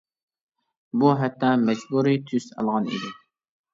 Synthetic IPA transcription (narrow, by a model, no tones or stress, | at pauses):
buɦɛt̪ʰːɑmɛd͡ʒbuɾit̪ʰysɑ̰lˠʁɑnḭd̪ɪ